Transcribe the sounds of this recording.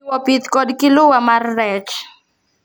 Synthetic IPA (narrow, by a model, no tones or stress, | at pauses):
wɔpit̪kɔdkɪlʊwamarːɛt͡ʃ